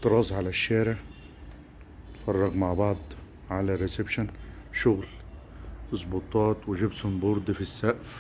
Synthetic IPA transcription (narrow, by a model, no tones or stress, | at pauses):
t̪ːɨɾˤɑːzˤʕalaʃːaːɾɪʕ | t̪fɑrˤːɑɣmaʕbɑʕd̪ˤ | ʕalarːɪsɪbʃanʃʊɣl | ɨzˤbut̪ˤɑːt̪wɪʒɪbshʊmbʊɾd̪ˤfisːaʔf